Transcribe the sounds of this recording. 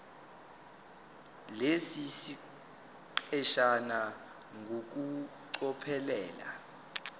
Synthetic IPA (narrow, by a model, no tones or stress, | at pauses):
lesisi | ǃɛʃana | ŋɡʱok̬u | ǀɔpʰɛlɛːla̰